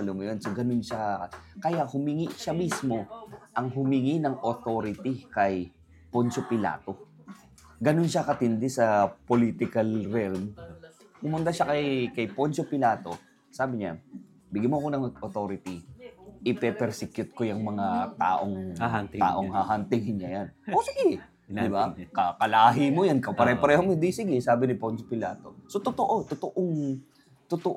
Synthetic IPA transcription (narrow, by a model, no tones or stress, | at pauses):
ɐloŋɐjonsoɡɐnonʃaɐkɐjaʔhʊmɪŋiʃamismo̞ʔɐŋɦʊmɪŋinɐŋʔot̪oːɾɪt̪ikɐj | pont͡ʃopɪla̰ːt̪o̞ | ɡɐnonʃakɐt̪ɪnd̪ɛsɐpoliːt̪ɪkɐlɾɛlm | pʊmʊnt̪aʃakɐjkɐjpont͡ʃopɪlaːt̪o̞ | saːbɪɲa̰ | bɪɡamoɐko̞nɐŋʔot̪o̞ːɾɪt̪iʔɪpɛpɛɾsɪkjʊt̪̚kojɐŋmɐŋat̪a̰ːʔoŋa̰ːʔoŋhaːɦant̪ɪŋhɪnɲajanʔʔosɪɡɛ | d̪ɪbakɐkɐlaːɦɪmojankɐpɐɾɛːhopɐɾɛːhomoɪnd̪isɪɡɛsaːbɪnɪponsopɪlaːt̪o̞so̞t̪ot̪oʔot̪ot̪oʔoŋ | t̪ot̪oʔ